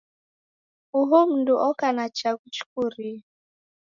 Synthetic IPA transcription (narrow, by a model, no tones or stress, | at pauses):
ʊɦʊm̩dʊʔɔkanat͡ʃaɡut͡ʃu̥kʊɾi